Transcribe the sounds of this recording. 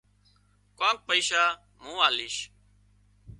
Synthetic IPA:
kãːk̚pəiːʃaː | mũːaːliːʃ

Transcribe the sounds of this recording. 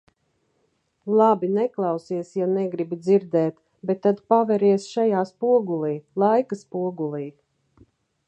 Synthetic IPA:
lˠabinɛklˠɑwsiɛsjanɛɡɾibid̪ziɾd̪ɛːt̪ | bet̪ːad̪pavɛɾiɛsʃajaːspuɔɡulˠiːlˠajkaspuɔɡulˠiː

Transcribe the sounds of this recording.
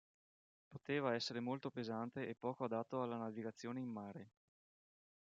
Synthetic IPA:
pot̪eːvaɛsːeɾemolt̪opezant̪eʔepːɔːkoad̪at̪ːoalːanaviɡat̪sːjoːneimːaːɾe

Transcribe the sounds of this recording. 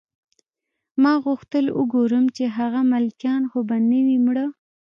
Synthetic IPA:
mɑɣʊxt̪əlṵɡoɾəmt͡ʃeɦaɣamalkjɑnxobanəwimɽə

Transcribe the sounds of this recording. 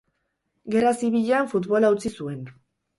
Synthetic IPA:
ɡe̞rasiβiʎaɱfut̪βo̞lawt͡sisue̞n

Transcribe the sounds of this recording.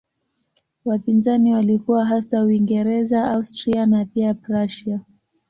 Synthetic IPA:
wapinzaniwalikuwaɦasawiŋɡɛɾɛzaaustɾianapiapɾaʃia

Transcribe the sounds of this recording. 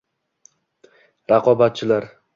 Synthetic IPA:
ɾaqʰɒbat̪̚t͡ʃʰɪlaɾ

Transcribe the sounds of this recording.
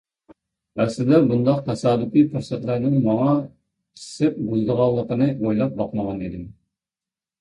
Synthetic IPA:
æslɪd̪ɛbund̪ɑqt̪ʰɛsɑːd̪ukifuɾsæt̪læɾnɪŋmɑŋɑ | t͡ʃʲʰi̥sɪp̚buzd̪əʁɑlˠːəqənɨʔojlˠɑp̚bɑqməʁɑnid̪ɪm

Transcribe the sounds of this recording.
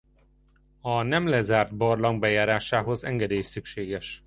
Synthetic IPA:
ɒnɛmlɛzaːrd̪̚bɒrlɒŋɡbɛjaːɾaːʃaːɦo̞zɛŋɡɛd̪eːjsykʃeːɡɛʃ

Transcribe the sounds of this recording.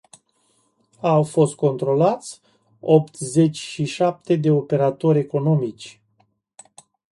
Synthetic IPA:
awfo̞st̪̚ko̞nt̪ɾo̞lat̪sʲ | o̞pt̪ze̞t͡ʃʲʃiʃap̚t̪e̞d̪e̞ope̞ɾat̪o̞ɾʲe̞ko̞no̞mit͡ʃʲ

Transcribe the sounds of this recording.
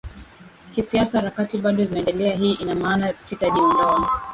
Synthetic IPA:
kisiasaɾakatiɓaɗɔzinaɛndɛlɛaɦiːʔinamaːnasitaʄim̩ndɔa

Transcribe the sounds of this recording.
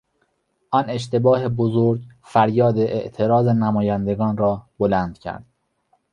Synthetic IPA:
ʔɒne̞ʃt̪e̞bɒːhebozoɾɟfæɾjɒːd̪eʔeʔt̪ʰe̞ɾɒːzenæmɒːjænd̪e̞ɡɒːnɾɒːb̥olænd̪̥cʰæ̰ɾd̪̥̚

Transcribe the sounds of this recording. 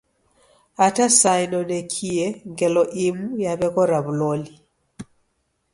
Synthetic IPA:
atasajnɔnɛkʰiɛŋɡɛlɔʔimujaβɛɣɔɾaβulɔli

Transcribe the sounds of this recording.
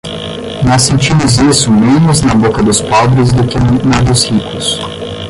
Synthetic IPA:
nɔsːẽnt͡ʃimʊzisʊmẽnʊznɐbokɐd̪ʊspɔbɾɪzd̪ʊkɪnɐd̪ʊshikʊs

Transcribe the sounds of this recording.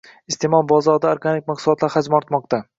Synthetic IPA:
ɪst̪ʰemɒlˠbɒzɒɾd̪aoɾɡanik̚ʲmaqsʊlˠɒt̪laɾhad͡ʒmɒɾt̪mɒqt̪ʰa

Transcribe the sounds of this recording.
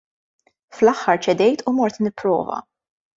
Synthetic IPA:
flɐħːɐɾt͡ʃɛd̪ɛjt̪umɔɾt̪nɪpːɾɔ̰ːvɐ̰

